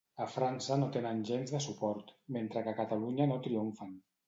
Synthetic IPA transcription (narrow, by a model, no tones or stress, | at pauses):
əfɾansənot̪enənʒenzðəsupɔɾt̪ment̪ɾəkəkət̪aluɲənot̪ɾiuɱfən